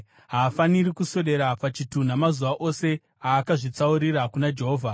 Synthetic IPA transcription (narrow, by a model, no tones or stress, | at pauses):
ɦaːfaniɾikuso̞ɗe̞ɾapat͡ʃitun̤amazuʋaʔo̞se̞ | aːkaʐit͡sauɾirakunad͡ʒe̞ɦoːvʱa